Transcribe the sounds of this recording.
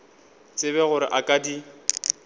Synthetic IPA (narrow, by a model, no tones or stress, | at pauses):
t͡sʼɪβɛɣʊɾɪ̰ʔakʼadi